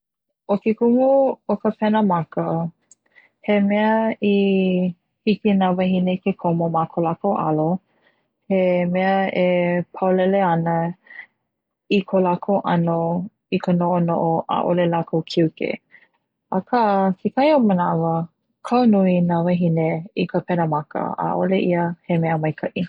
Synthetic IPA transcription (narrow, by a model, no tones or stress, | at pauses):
okekuŋuokəpʰɛnəmakə | hemɛəi | hikinavaɦinekekʰomomakʰolakoʔa̰lo | hemɛəepʰawlɛleɐnə | ikʰolakʰowʔɐno | ikənoʔono̰ʔoʔa̰ʔo̰lelakʰowkʰiwkḛ | əkʰasikajomənavə | kʰawnuinavɐɦineikəpɛnəmakə̰a̰ʔoleʔiəhemɛəmɐjkʰɐʔi